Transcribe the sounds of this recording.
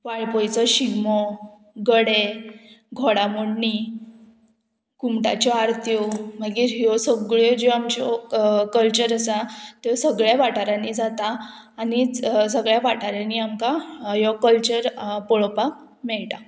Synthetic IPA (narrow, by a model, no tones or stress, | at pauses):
ʋaɭpɔjt͡sɔɕiɡmɔ | ɡəɽe | ɡʱoɽamoɽɳi | kumʈa̰t͡ɕɔaɾt̪ʰjɔməɡiːɾɦjɔsəɡɭɔd͡ʑoamt͡ɕɔkəlt͡ɕəɾəsat̪ɔsəɡɭjaʋaʈaɾãniːd͡zat̪aː | nisəɡɭjaʋaʈʰaɾaniːamkajɔkəlt͡ɕəɾpɔɭpak | mɛɭʈa